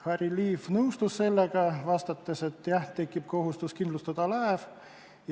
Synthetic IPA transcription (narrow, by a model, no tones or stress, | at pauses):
hɑriliːfnɤust̪usse̞lːeɡɑvɑst̪ɑt̪ːese̞t̪ːjæht̪ːekːˑipko̞ɦust̪uskind̪lust̪ɑd̪̥ɑlɑev | j